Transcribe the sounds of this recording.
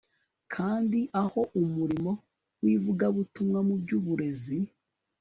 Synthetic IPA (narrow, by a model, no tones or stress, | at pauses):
kʰaːndiʔaho̞ʔumuɾimo̞ | wivuɡaβutumŋamubɟuːβuɾe̞zi